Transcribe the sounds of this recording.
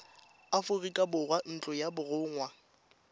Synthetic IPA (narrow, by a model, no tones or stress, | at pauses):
afʊrikʼabʊrwan̩t͡ɬʼʊjabʊrʊːŋwa